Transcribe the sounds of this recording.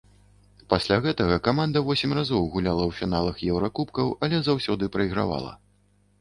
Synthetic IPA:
pasʲlʲaɣɛt̪ɐɣɐkamand̪ɐvɔsʲimʲrazɔwɣulʲalˠɐwfʲinalˠɐxjɛwɾakupkɐwɐlʲɛzawsʲɔd̪ɨpɾɐiɣɾa̰va̰lˠɐ̰

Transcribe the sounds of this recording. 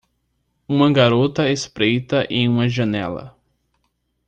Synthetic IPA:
ũmɐɡaɾot̪ɐespɾejt̪ɐʔẽj̃ũmɐʒɐnɛ̰lɐ̰

